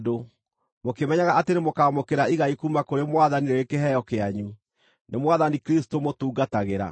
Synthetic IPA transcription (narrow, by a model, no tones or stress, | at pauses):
do | mokemɛɲaɣaʔatenemokaːmokeɾaiɣaikumakoɾemwaðaniɾeekeɦɛjɔkeaɲu | nemwaðanikɾistomotuːɡataɣeɾa̰